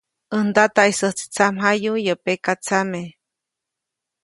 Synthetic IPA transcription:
ənd̪at̪aisəht͡si̥t͡samɦajujəpekat͡same

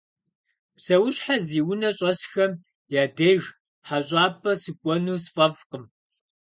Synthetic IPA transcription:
sɐwʊɕħaziːwʊnɐɕʼɐsxɐm | jaːdeːʒ | ħaɕʼɑːpʰʼɐsɨkʷʼɔnuːsfʼɐvqəm

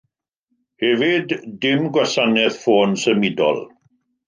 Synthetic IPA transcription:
hɛvɪdːɪmɡwasanɛθfoːnsəmɪdɔ̰lˠ

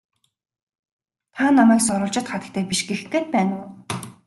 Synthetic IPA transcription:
t̪ʰanamæːksɔɾʊːɮt͡ɕɪ̆t̪χat̪ə̆kt̪ʰeːpiʃɡexeːt̪̚pæːnʊː

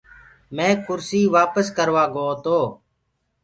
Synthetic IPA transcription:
mẽːkʊɾsiːʋaːpəskəɾʋaːɡoːt̪oː

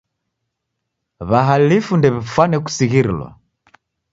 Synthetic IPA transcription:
βaɦalifundɛβɛfwanɛku̥siɣiɾilwa̰

